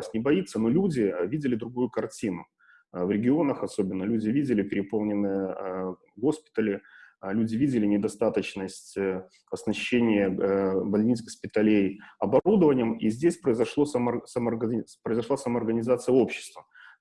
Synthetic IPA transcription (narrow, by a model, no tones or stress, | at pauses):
sʲnʲɪbɐit̪sːəno̞lʲudʲɪvʲidʲɪlʲɪd̪ɾʊɡujʊkɐrtʲinʊ | vɾʲɪɡʲɪo̞nəxɐso̞bʲɪnːəlʲudʲɪvʲidʲɪlʲɪpʲɪɾʲɪpo̞lˠnʲɪnːɨjəə | ɡo̞spʲɪ̥t̪əlʲɪlʲudʲɪvʲidʲɪlʲɪnʲɪd̪ɐst̪at̪ət͡ɕnəsʲtʲ | ɐsnɐɕːenʲɪjəbɐlʲnʲit͡s̪ʲɡəspʲɪt̪ɐlʲejɐbɐud̪əvənʲɪjəmizʲdʲesʲpɾəɪzɐʂlˠosamsɐməɡpɾəɪzɐʂlˠasəməːrɡənʲɪzat̪sɨjəo̞pɕːɪ̥st̪və